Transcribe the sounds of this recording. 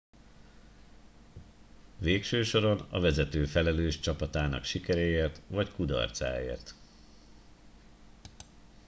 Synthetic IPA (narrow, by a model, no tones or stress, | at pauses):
veːkʃøːʃo̞ɾo̞nɒ̰vɛzɛt̪øːfɛlɛløːʃt͡ʃɒpɒt̪aːnɒ̰kʃikɛɾɛeːrt̪ʋɒckud̪ɒ̰rt̪sa̰ːḛːrt̪